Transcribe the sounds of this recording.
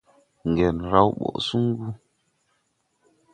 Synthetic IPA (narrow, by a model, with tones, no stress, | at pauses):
ŋ˨ɡɛ˨nɾa˦wɓɔ̰˨su˦ŋ˦ɡu˦